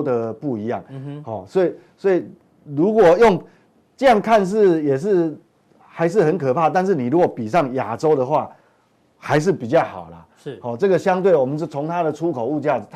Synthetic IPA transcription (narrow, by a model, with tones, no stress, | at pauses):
d̪ə˨pu˥˩i˨˧˦jɑ˥˩ŋhɔ˥˨˩swɔ˧˥i˨˩ | swɔ˧˥i˨˩ | lu˧˥kwɔ˨˩jo˥˨ŋ | ʈ͡ʂɤ˥˧jɑ˥˨ŋkʰa˥˧nʂ̬ɻ̩˥˩jɛ˨˩ʂ̬ɻ̩˥˩ | xa˧˥ɪʂ̬ɻ̩˥˩xə˧˦nkʰɤ˨˩pʰa˥˧t̪a˥˧nʂ̬ɻ̩˥˩ni˨˩ɻu˦˥kwɔ˨˩˦pi˨˩ʂ̬ɑ˥˩ŋja̰˨˩ʈ͡ʂo˥ʊd̪ə˨xwa˥˨ | xa˧˥ɪʂ̬ɻ̩˥˩pi˨˩t͡ɕjɑ˥˩ʊxɑ˨˩ʊla̰˩˥˩ | hɔ˥˩ʈ͡ʂɤ˥˩ɡə˨˩ɕjɑ˥ŋt̪we˥˩ɪwɔ˨˩mə˦nt͡ɕjo˥˩t͡sʰo˧˥ŋt̪ʰa˥d̪ə˨ʈ͡ʂʰu˦kʰo˨˩ʊu˥˧t͡ɕja˥˩˨t̪ʰ